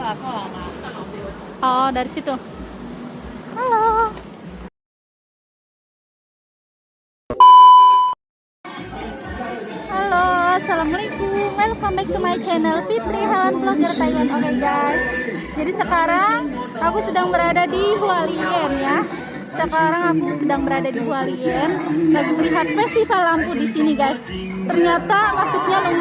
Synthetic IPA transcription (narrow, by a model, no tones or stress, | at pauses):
ʔɔdaɾisit̪u | halo | halosalaməlikumɛlpamaɪk̚t̪əmaikenəlpit̪ɾiɦalanpəlaɡərt̪aianolɛɡajs | d͡ʒadisəkaɾaŋ | akusədaŋbəɾadadiɦualiənja | səkaɾaŋakusədaŋbəɾadadiɦualiənlaɡiməliɦat̪̚fɛst̪ifalampudisiniɡajs | t̪ərɲat̪amasuk̚ɲalə